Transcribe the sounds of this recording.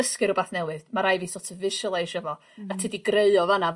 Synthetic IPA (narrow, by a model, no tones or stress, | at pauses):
əskɨɾɔbaθnɛwɨðmaɾajviːsɔtʰəvɪʃɔlˠejʃɛvɔ | atʰidiɡreɨɔvana